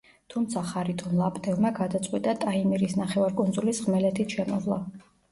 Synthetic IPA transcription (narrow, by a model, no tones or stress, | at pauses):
t̪ʰumt̪sʰaχaɾit̪ʼʰɔnlˠapʼd̪ɛlˠmaɡad̪at̪sʼqʼwit̪ʼat̪ʼaimiɾisnaχɛvaɾkʼunzulisʁmɛlɛt̪ʰit̪ʃɛmɔzlˠa̰